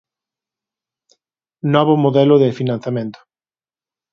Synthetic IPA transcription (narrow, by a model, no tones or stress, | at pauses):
nɔβʊmoðɛlʊðɪfinãn̟θjamẽnt̪ʊ̥